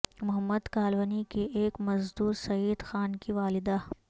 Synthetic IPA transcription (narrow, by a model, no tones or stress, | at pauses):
mʊɦəmːəd̪kaːlʋənikeʔeːkmɐzd̪uːɾsɐiːd̪xaːnkiʋaːlɪd̪a